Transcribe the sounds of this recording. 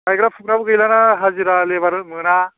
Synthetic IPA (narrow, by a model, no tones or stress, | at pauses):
kajɡɾapʰuk̚nabɯɡɯjlanaɦaziɾalebaɾɯt̚mɯna